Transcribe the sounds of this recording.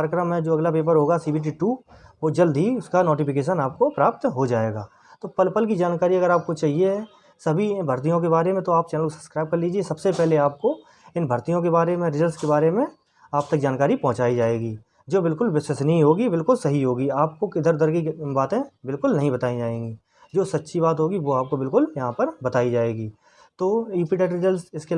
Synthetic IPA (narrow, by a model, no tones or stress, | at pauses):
aɾjkɾəmɦɛ̃d͡ʒoːɐɡlapeːp̬əɾɦoːɡasiːbʱiʈ̬iʈuʋoːd͡ʒɐld̪ʱiʊskanoːʈɪpɪk̬eːʃ̬ənaːp̚kopɾaːp̚t̪ɦod͡ʒaːḛːɡa̰ː | t̪oːpəlpəlk̬id͡ʒaːnkaːɾiɐɡəɾaːp̚kot͡ʃaːɦie | sɐbʱibʱɐɾt̪̬ijõk̬ebaːɾemẽt̪oaːp̚t͡ʃɛːnəlkosɐ̥skɾaːɪb̚kɐɾliːd͡ʒiesɐbsepɛɦleaːp̚ko | ɪnbʱəɾt̪ijõk̬ebaːɾemẽɾɪzəɾskebaːɾemẽ | aːp̚t̪ɐk̚d͡ʒaːnkaːɾipɐ̃ɦʊ̃t͡ʃaːid͡ʒaːeːɡiː | d͡ʒoːbɪlkʊlʋɪsəsnɐɦĩɦoːɡibɪlkʊlsɐɦiɦoːɡiaːp̚kokɪd̪ʱəɾd̪əɾɡikbaːt̪ẽbɪlkʊlnɐɦĩbɐt̪aːid͡ʒaːẽːɡiː | d͡ʒoːsɐt̪ːʃʰibaːt̪ɦoːɡiʋoaːp̚kobɪlkʊljɐɦãpɐɾbɐt̪aːid͡ʒaːeːɡiː | t̪oːjuːpiʈeːʈɾɪzəlsɪske